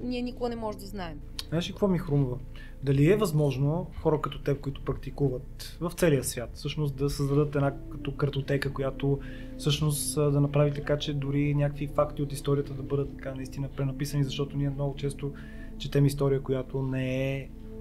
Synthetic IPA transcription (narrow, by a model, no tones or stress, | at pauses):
nʲiɛnikʊɡənɛmɔʒɛd̪ɐznaɛm | znaʃikəkvɔmixɾumuvə | d̪ɐliɛvɐzmɔʒnoxɔɾəkɐt̪ɔt̪ɛkʊit̪ʊ̥pɾɐk̚t̪ikuvət̪ | vɐft̪sɛliəsvʲjat̪fsɤʃnost̪d̪ɐsəzd̪ɐd̪ɤt̪ɛnakɐt̪ɔkəɾt̪ot̪ɛkəkojat̪o | fsɤʃnost̪d̪ɐnɐpɾavit̪ɐkat͡ʃɛd̪ʊɾinʲjakvifakt̪iot̪ist̪ɔɾijət̪əd̪ɐbɤd̪ət̪ːɐkanɐist̪inəpɾɛnɐpisənizɐʃt̪ɔt̪oʊniəmnɔɡʊt͡ʃɛst̪o | t͡ʃɛt̪ɛmist̪ɔɾijəkʊjat̪onɛɛ